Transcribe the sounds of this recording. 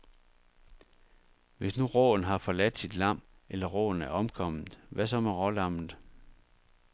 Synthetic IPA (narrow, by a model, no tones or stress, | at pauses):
ʋe̝snuʁɔ̰ːn̩ɦɑ̈fɒ̽læd̥sid̥lɑ̈m̰ | elɐʁɔ̰ːn̩æɐɒ̽mkʰɒ̽m̰ð̩ˠʋæsɒ̽mæʁɒ̽lɑ̈m̰n̩ˠ